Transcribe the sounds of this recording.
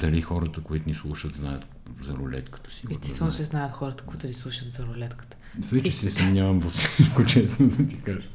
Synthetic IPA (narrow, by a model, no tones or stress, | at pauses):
d̪̥ɐlixɔɾət̪əkoit̪ʊnislˠuʃət̪znajət̪ | zɐɾʊlɛ̰t̪kə̥t̪ə̥siɛst̪ɛst̪vɛnot͡ʃɛznajət̪xɔɾət̪ə̥kʊit̪ʊnislˠuʃət̪zɐɾʊlɛt̪kə̥t̪ə̥ | vɛt͡ʃɛsɛsɐmnʲavɐmvɐfsi̥ʃkot͡ʃɛsnod̪ɐt̪ikaʒɛ